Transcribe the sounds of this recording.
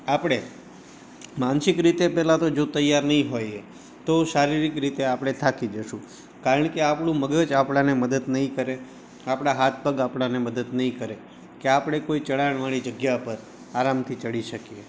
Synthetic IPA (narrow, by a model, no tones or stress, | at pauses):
apɽ̃e | mansɪkɾit̪epɛɦlat̪od͡ʒot̪əjːaɾnəɦĩɦoj | t̪oʃaɾiɾikɾit̪eapɽ̃et̪ʰakid͡ʒəʃũ | kaɾəɳkeapɳũməɡəd͡ʒapɽaneməd̪əd̪nəɦĩkəɾe | apɽ̃aɦat̪̚ʰpəɡapɳaneməd̪əd̪nəɦĩkəɾe | keapɽ̃ekoit͡ʃəɽaəɳ̃ʋaɽ̃id͡ʒəɡjapəɾ | aɾamt̪ʰit͡ʃəɽiʃəkie